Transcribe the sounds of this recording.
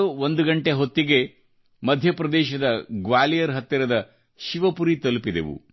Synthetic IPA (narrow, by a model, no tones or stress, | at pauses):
uond̪uɡɐɳʈeɦot̪ːiɡe̞ | mɐd̪ʱjɐpɾɐd̪ɛːʃɐd̪ɐɡʋaːlijɐɾɦɐt̪ːɐɾɐd̪ɐ | ʃiʋɐpuɾit̪ɐlupid̪ḛʋṵ